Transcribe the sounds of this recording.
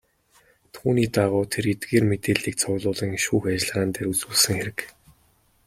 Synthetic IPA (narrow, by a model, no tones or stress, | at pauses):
t̪ʰuːniːt̪aʁʊːt̪ʰerɡet̪̚ɡeːrmet̪eːɮiːk̚t͡sʰʊɣɮʊːɮĭːŋʃuːxat͡ɕɪ̆ɮʁaːnt̪eːɾut͡suːɮsɘ̆ŋxeɾɘ̆k